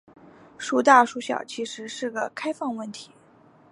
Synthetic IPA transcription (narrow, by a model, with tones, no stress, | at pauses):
ʂu˥t̪a˥˩ʂu˧˥ɕjɑ̰˨˩ʊt͡ɕʰi˧˥ʂɻ̩˧˥ʂɻ̩˥˩ɡə˩kʰa˥ɪfɑ˥˧ŋwə˥˩nt̪ʰi̥˧˥˦